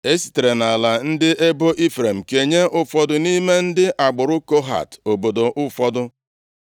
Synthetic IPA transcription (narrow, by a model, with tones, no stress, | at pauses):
e˦si̥˨te˨ɾe˨na˨la˨n̩˦dɪ˦ʔe˦bo˦ʔi˦fɾe˨m̩˨ke˨ɲe˦ʔʊ˦fɔ˦dʊ˨ni˦me˦n̩˦dɪ˦ʔa˨ɡ͡bʊ˨ɾʊ˦ko˦ɦa̰˨to˨bo˨do˨ʔʊ˦fɔ˦dʊ˦